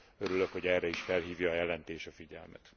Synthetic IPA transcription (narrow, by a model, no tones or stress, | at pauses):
øɾylø̞kho̞ɟɛrːɛiʃfɛlɦiːvjɒːjɛlɛnt̪eːʃɒfiɟɛ̰lmɛ̰t̪